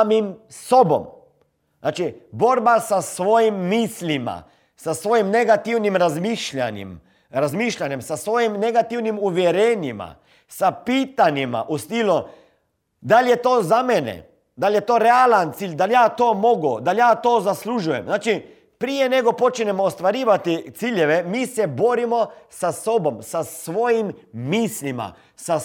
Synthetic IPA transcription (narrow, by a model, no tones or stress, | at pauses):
amimsobɔ̰m | znaːt͡ʃiboɾbasasʋoːjimːiːslima̰ | sasʋoːjimnɛɡat̪iwnimɾazmiːʃʎʲa̰njḭm | ɾazmiːʃʎanjɛmsasʋoːjimnɛɡat̪iwnimuʋjɛɾɛːnima̰ | sapiːt̪anjima̰ʔust̪iːlu | d̪aljɛt̪oːzamɛnɛ̰ | d̪aljɛt̪oːɾɛalant̪siːlʲd̪aljaːt̪oːmoɡud̪aljaːt̪oːzasluːʒujɛ̰mznaːt͡ʃi | pɾijɛnɛɡɔpot͡ʃnɛmɔːst̪ʋaɾiːʋat̪it̪siːljɛʋɛmiːsɛboːɾimɔsasobɔmsasʋoːjimːiːslima̰ | sa